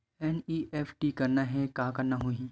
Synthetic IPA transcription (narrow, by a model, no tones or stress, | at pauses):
ɛniːʔɛːfʰʈikɐɾnaɦɛkaːkɐɾnaɦuĩ